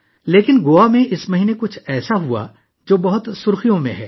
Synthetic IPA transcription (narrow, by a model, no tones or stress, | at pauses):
leːkɪnɡoːamẽʔɪsmɐɦiːnekʊt͡ʃʰɛːsaɦua̰ | d͡ʒoːbɐɦʊt̪sʊɾxijõmḛ̃ɦɛ̰ː